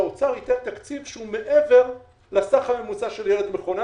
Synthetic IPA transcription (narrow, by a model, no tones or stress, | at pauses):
ot͡saʁhit̪ent̪akt͡sivʃeume̞ʔeve̞ʁ | lasaχame̞mut͡saʃeljeled̪meχona